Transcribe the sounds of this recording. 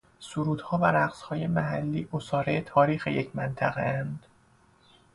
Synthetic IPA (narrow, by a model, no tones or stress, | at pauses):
suɾuːd̪̥hɒːvæɾæɢshɒːje̞mæɦælːiːʔosɒːɾejet̪ʰɒːɾiːxejecʰmænt̪ʰæɣḛænd̪̥